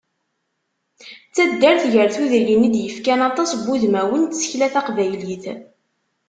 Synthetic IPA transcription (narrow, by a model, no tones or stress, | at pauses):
t͡sːæd̪ːəɾθʝəɾθuðəɾjənid̪jəfkænɑt̪ˤɑsbuðmæwənt̪sə̥çlæθæqvæjliθ